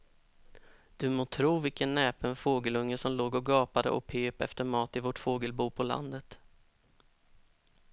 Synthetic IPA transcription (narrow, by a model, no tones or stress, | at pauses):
d̪̥ɵmoːt̪ʰɾuːvɪlkənːɛːpənfoːɡəlɵŋːəʂɔmloːɡɔɡɑːpad̪ə̰ʔɔ̰pʰøːpɛ̰ft̪əɾmɑːt̪ɪvɔʈfoːɡəlbuːpʰɔla̰nd̪ət̪